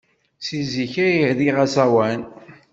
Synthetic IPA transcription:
siziçæjiðiʁæsæwæn

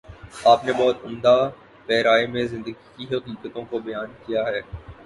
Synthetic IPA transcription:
aːpnebɔɦʊt̪ʊmd̪a | pɛːɾaːemẽzɪ̃nd̪əɡikiɦɐqiːqət̪õkobɐjaːnkijaɦɛː

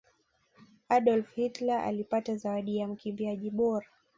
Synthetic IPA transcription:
aɗɔlfhitlaʔa̰lipatazawaɗijam̩kimbiaʄiɓɔɾa

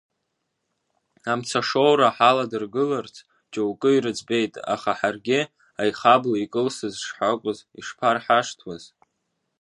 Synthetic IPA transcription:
amt͡sʰaʂo̞wɾaħaladɨrɡɨlart͡sʰ | t͡ʃʼowkʼɨiɾɨd͡zbe̞jtʼa̰χaħarɡʲɪ | ajχablaikʼɨlsɨzʂħakʷʼʊzḭʂpʰarħaʂtʰwaz̥

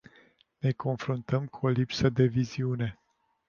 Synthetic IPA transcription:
ne̞ko̞nfɾunt̪əmkʰuo̞lipsəd̪e̞viziune̞

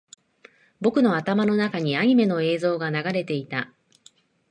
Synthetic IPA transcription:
bo̞kɯ̟no̞at̪amano̞nakaɲ̟iaɲ̟ime̞no̞e̞ːzo̞ːɡanaɡaɾe̞t̪e̞it̪a

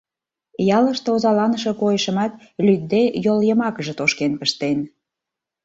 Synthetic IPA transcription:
jɑləʃt̪eozɑlɑnəʃokojəʃə̆mɑt̪̚ | lʲyd̪̚dejoljəmɑkəʒə̆t̪oʃkenpəʃt̪en

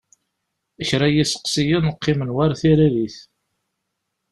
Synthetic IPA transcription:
æçɾæjisə̥qsijinəqːɪmənwaɾθiɾæðiθ

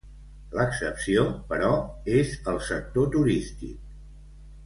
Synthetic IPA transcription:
ləksəpsiopəɾɔezəlˠsək̚t̪ot̪uɾist̪ḭk̚

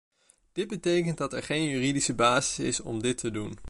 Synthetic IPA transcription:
d̥ɪd̚bətejkənt̚dɑtɛɹχejnjyːridisəbaːzɪsɪsɔ̰mdɪtʰədun

